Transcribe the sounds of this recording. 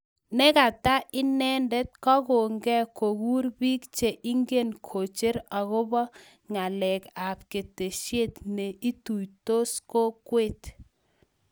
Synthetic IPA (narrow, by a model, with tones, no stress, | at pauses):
nɛ˦ka˨ta˦ʔɪ˦nɛ˦ndɛ˦t̚kɔ˦ko˨ŋɡɛ˦ko˨ɡu˦ɾbiː˦kt͡ʃe˨ʔi˦ŋɡe˦nkʰo˨t͡ʃe˦ɾa˨ɣo˦bɔ˦ | ŋa˨lɛ˨ka˨p̚ke˨te˨ʃje˦tne˨i˦tu˨jto˦sko˦kwe˦t